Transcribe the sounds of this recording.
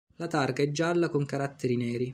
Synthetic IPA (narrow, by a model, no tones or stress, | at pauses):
lat̪arkaɛd͡ʒːalːakoŋkaɾat̪ːeɾinɛːɾi